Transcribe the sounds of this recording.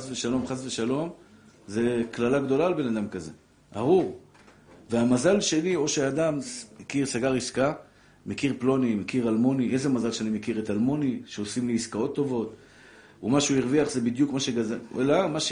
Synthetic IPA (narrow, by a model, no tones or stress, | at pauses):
azveʃalo̞mχazveʃalo̞m | ze̞klalaɡd̪o̞laːlbe̞nad̪amkaze̞̰ | aʁuʁ | veamazalʃe̞lio̞ʃead̪ammekiʁsaɡaʁiska | mekiʁplo̞nimekiʁalmoniʔe̞zemazalʃeanimekiʁet̪almo̞niʃeosimliːskao̞t̪ːo̞vo̞t | umaʃeuiʁviaχzebid̪jukmaʃeɡazaʔelamaʃ